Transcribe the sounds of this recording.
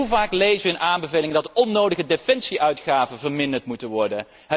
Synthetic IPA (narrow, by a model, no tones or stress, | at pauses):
uvaːklejvəʋəɪnʔaːmbəveːlɪŋəndɑtɔnːowdəχədefɛnsiʔœɥtχaːvənvəɹmɪndəɹtmutənʋɔɹdən | ɦə